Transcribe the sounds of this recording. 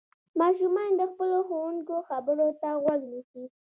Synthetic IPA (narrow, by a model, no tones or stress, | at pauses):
mɑʃumɑnd̪əxpəloxowuŋkoxabəɾot̪aɣwaɡnisi